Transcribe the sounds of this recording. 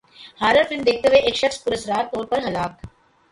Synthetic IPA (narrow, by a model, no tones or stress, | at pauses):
haːɾəɾfɪlmd̪eːk̚ʰt̪eɦeʔeːkʃɐkspʊɾəsɾaːt̪ːoːɾpɐɾɦɐlaːk